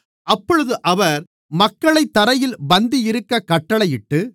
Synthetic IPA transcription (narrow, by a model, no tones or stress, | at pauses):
ʔɐpːɔɻɯðɯʔɐʋɐɾ | mɐkːɐɭɐɪt̪ːɐɾɐjɪlbɐnd̪ijɪɾɯkːɐkɐʈːɐɭɐjɪʈːɯ